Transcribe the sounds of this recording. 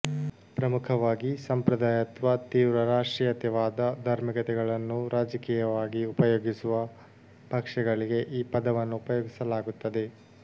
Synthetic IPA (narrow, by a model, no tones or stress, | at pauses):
pɾɐmukʰɐʋaːɡisɐmpɾɐd̪aːjɐt̪ʋɐt̪iːʋɾɐɾaːʂʈɾijɐt̪ɛʋaːd̪ɐd̪ʱɐɾmikɐt̪ɛɡɐɭɐnːuɾaːd͡ʒɐkiːjɐʋaːɡiupɐjoːɡisuʋɐ | bʱɐkʂɛɡɐɭiɡe̞ʔiːpɐd̪ɐʋɐnːuːpɐjoːɡisɐlaːɡut̪ːɐd̪e̞